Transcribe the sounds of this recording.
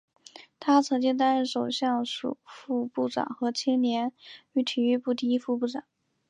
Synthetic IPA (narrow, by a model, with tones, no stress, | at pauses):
t̪ʰa˥t͡sʰɤ˧˥ŋt͡ɕi˥ŋt̪̬a˥nɻə˥˩ʂo˨˩ʊɕjɑ˥˩ŋʂṵ˨˩fu˥˧pu˥˩ʈ͡ʂɑ̰˨˩˦ŋxɤ˧˥t͡ɕʰi˥ŋnjɛ˧˥ny˧˥t̪ʰy˧˥y˥˧pu˥˩t̪̬i˥i˥fu˥˧pu˥˩ʈ͡ʂɑ̰˨˩˦